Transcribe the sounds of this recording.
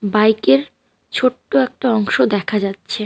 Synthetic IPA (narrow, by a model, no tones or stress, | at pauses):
bajkeɾ | t͡ɕʰoʈːoɛk̚ʈaɔŋʃod̪ɛkʰad͡ʑatːɕʰe